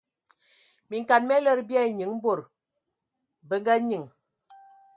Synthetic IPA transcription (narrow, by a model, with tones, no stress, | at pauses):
mi˨ŋ̩˨ka˨nmɛ˦lə˦ɾbi˦a˦˨ɲi˨˦ŋ˦bo˨ɾ | bə˦ŋ˦ɡa˦ɲi˨ŋ